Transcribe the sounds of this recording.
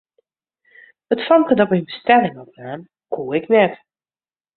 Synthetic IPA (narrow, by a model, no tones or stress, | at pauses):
ətfɔnkədɔpinbəstɛlɪŋɔpaːn | kʰuːɪknɛt